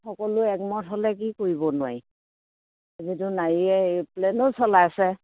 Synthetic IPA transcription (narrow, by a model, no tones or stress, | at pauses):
xɔkɔlʊɛkmɔtʰɦɔlɛk̬ikoɹibɔnʊwa̰j | azitʊnaɹiɛplɛnɔsɔlajasɛ